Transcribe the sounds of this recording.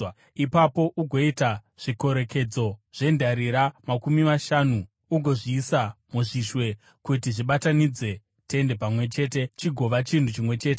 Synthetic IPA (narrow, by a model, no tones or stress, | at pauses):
ipapo̞ʔuɡʱo̞ita | ʐ̥iko̞ɾe̞ke̞d͡zo̞ʐ̥e̞ndaɾiɾamakumimaʃanu | uɡʱo̞ʐiːsamuʐiʃwe̞ | kutiʐiɓatanid͡ze̞ | te̞nde̞pamwe̞t͡ʃe̞ːt̬e̞t͡ʃiɡʱo̞ʋat͡ʃintut͡ʃimwe̞t͡ʃe̞ːte